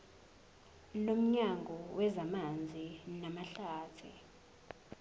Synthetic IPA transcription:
lom̩ɲaŋɡʱɔwʔɛzamand͡zʱinamaɬaːtʰḭ

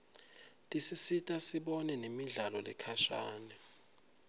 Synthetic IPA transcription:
tʼisisitʼasiɓɔnɛnemiɮalɔlɛ̰kʰaʃa̰ːnɛ

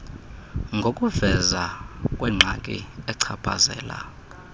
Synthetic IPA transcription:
ŋɡʱokʼuvɛzakʼwɛŋ͡ǁʱakʼḭɛǀʰapʰa̰zɛ̰ːla̰

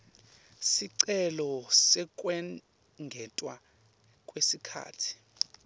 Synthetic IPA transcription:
siǀɛlɔsɛk̬ʼwɛ | ŋɡʱɛtʼwa | kʼwesikʰa̰ːtʰi̥

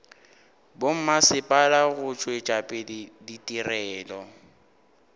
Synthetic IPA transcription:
bom̩masɪpʼalaɣʊt͡ʃʼwet͡ʃʼapʼɪditʼirɛːlɔ

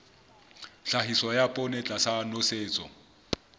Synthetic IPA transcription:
ɬaɦisɔjapʼɔnɛt͡ɬʼasanoseːt͡sʼɔ̰

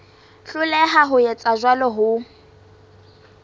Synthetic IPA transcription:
ɬʊlɛɦaɦʊjɛt͡sʼaʒwalɔɦʊ

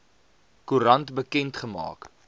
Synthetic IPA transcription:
kuɾɐntbəkɛntχəmɑ̰ːk

